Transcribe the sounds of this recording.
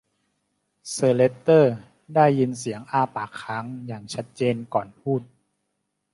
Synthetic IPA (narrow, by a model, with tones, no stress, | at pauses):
sɤː˧le˦˥t̪ːɤː˥˩ | daː˥˩jːi˧ns̬i˨˩˦əŋʔaː˧˩paː˨˩kʰːa˦˥ŋjaː˨˩ŋt͡ɕʰa˦˥t̪̚t͡ɕeː˧nkɔː˨˩npʰuː˥˩t̪̚